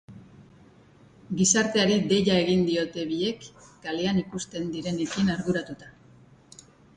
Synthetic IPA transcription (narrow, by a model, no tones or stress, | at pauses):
ɡisaɾt̪e̞aɾid̪e̞ʎae̞ɣind̪io̞t̪e̞βie̞kɡaleanikust̪e̞nd̪iɾe̞nekinaɾɣuɾat̪ut̪ḁ